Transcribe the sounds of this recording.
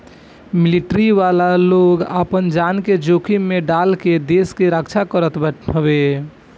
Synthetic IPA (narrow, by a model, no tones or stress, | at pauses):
miliʈɾiʋalaloɡə̰pənd͡ʒanked͡ʒokʰimeɖalked̪eskeɾəkt͡ʃʰakəɾət̪bəʈʰəbe